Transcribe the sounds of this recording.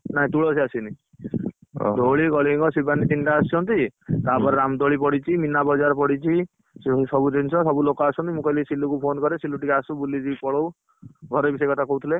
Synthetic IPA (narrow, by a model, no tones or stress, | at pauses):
naɦĩt̪uɭɔsiasini | d̪ʱoɭikɔɭiŋɡɔsibʱanit̪iɳɖaːst͡ʃʰɔnt̪it̪apɔɾeɾamd̪oɭipɔɽit͡ʃʰiminabɔd͡ʒaɾpɔɽit͡ʃʰi | ssɔbud͡ʒʱinsʰɔsɔbulokɔasɔnt̪imũkɔlisilukupʰonkɔɾesiluʈikeasũbulːid͡ʒibipɔɭow | ɡʱɔɾebisekɔt̪ʰakowt̪ʰile